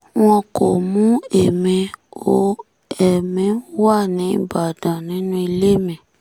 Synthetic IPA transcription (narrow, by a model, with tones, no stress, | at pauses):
w̃ɔ̃˧ko˨mũ˦e˨mẽ˧o˨˦ | ɛ˨mĩ˨˦wa˦˨nĩ˨˦ba˨dã˨nĩ˨˦nũ˦i˧le˦˨mɛ̃˨